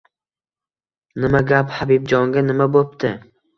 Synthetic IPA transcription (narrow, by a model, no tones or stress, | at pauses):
nɪmaɡʲaphabib̚d͡ʒɒŋɡʲanɪmabop̚t̪ʰɪ